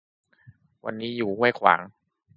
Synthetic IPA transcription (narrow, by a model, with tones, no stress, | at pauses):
wa̰˧nːiː˦˥juː˨˩hu˥˩əjkʰwa̰ː˩˦ŋ